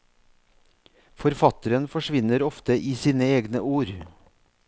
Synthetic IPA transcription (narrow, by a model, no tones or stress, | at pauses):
fɔɾfɑt̪əɾənfɔʃʋɪnəɾɔft̪əʔiːsiːnəeːɡnəʔuːɾ